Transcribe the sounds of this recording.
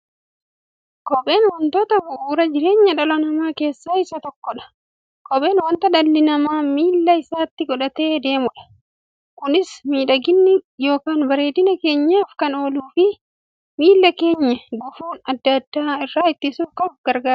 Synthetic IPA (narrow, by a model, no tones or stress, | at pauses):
kɔɓʼe̞ːnwɔnt̪oːt̪ɐbʊʔuːɾɐd͡ʒɪɾe̞ːɲːɐᶑɐlɐnɐmaːke̞ːsːaːɪsɐt̪ɔkːɔᶑɐ̥ | kɔɓe̞ːnwɐnt̪ɐd̪ɐlːɪnɐmaːmiːlːɐɪsaːt̪ːɪɡɔᶑɐt̪e̞ːd̪e̞ːmʊᶑɐ̥ | kʊnɪsmiːᶑɐɡɪnːɪjo̞ːkaːnbɐɾe̞ːd̪ɪnɐke̞ːɲːaːfkɐno̞ːluːfɪ | miːlːɐke̞ːɲːɐɡʊfuːnɐd̪ːɐd̪ːaːɪrːaːɪt̪ːɪsuːfkɐfɡɐɾɡaːɾ